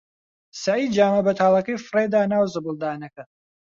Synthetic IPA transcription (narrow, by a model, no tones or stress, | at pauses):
sɐʕiːd̪̚d͡ʒaːmɐbɐt̪ʰaːlˠɐkɐjfɨred̪aːnaːwzɨbɨlˠd̪aːnɐkɐ